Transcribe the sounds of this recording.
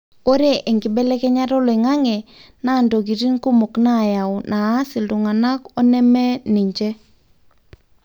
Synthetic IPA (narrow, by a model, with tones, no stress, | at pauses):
o˦ɾe˦ʔe˨ŋɡɪ˨bɛ˦lɛ˦kɛ˦ɲa˦ɾɔ˦lɔ˨i˨ŋa˦ŋɛ˨na˦˨ndo˨ɡi˨ɾi˦nko˦mo˨kna˦˨ja˨ʊ˨nʔaː˨˦sɪ˨ldʊ˨ŋa˨na˦kɔ˦nɛ˦mɛ˦ni˨ɲd͡ʒɛ˦